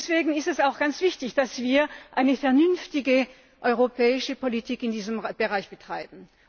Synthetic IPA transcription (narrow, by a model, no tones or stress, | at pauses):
sv̥eːɡŋ̩ɪstɛsaʊxɡ̥ant͡sv̥ɪçtɪçd̥asv̥iːɐʔaɪnəfɛɐnʏnftɪɡə | ʔɔʏʁopʰɛːɪʃəpolitʰiːkɪndiːzəmb̥əʁaɪçb̥ətʁ̥aɪbn̩